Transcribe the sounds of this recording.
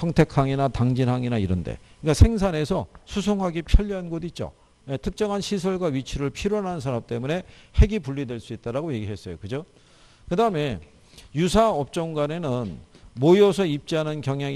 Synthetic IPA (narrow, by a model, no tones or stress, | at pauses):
sʰʌŋtʰe̞kʰaŋinataŋd͡ʑinɦaŋinaiɾʌndḛk͈asʰe̞ŋs̬ʰane̞sʰʌsʰusʰoŋɦaɡipʰjʌʎːiɦanɡodit̚t͡ɕ͈o̰ | jetʰɯk̚t͡ɕ͈ʌŋanɕʰisʰʌɭɡwawɥit͡ɕʰiɾɯɭpʰiɾʌnɦannsʰaɾamt͈e̞mune̞he̞ɡipuɭːidweɭs͈uit̚t͈aɾaɡoje̞ɡiɦe̞s͈ʌjo̰kɯd͡ʑo | kɯdaɯme̞ | jusʰaʌp̚t͡ɕ͈ʌŋɡwane̞nɯnmoiʌsʰʌip̚t͡ɕ͈iɦanɯnkjʌŋja